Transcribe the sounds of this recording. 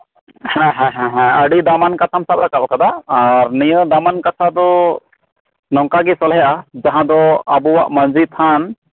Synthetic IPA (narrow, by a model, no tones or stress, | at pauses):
hɛ̃ɦɛ̃ɦɛ̃ɦɛ̃əɖid̪amankat̪ʰamsap̚ɾakap̚kad̪aːɾnijəd̪amankatʰad̪ɔ | nɔŋkaɡɛsɔlɦɛjaʔad͡ʒaɦãd̪ɔabuwaʔmənd͡ʒit̪ʰan